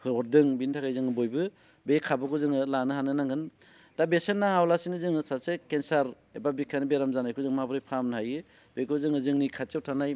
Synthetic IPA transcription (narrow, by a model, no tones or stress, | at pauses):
hɯɔɾdɯŋbintʰakajzɯŋɯbojbɯ | bekʰabɯkɯzɯŋɯlanɯɦanɯnaŋɯn | dabesenːaŋawlasinɯzɯŋɯsasekensaɾ | ebabikʰanɯbeɾamzanajkʰuzɯŋmabɯɾɯjpʰamnɦajɯ | bekɯzɯŋɯzɯŋnikʰat͡ʃewtʰanaj